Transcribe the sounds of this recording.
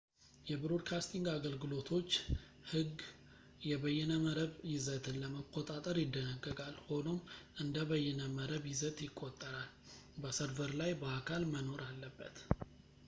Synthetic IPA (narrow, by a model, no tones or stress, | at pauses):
jɛbɨɾod̪kʰast̪ʰiŋɡaɡəlɡɨlo̞t̪ʰo̞t͡ʃː | hɨɡ | jɛβəjːɛnəməɾəβjɪzət̪ʰɨnləməkʼːot̪ʼat̪ʼəɾjɪd̪ːənəɡːəɡʼalho̞no̞mʔɨnd̪əβəjːɛnəməɾəβjɪzət̪jɪkʼːot̪ʼːəɾal | bəsəɾfəɾlajbəakʰalməno̞ɾalːəbːə̰t̪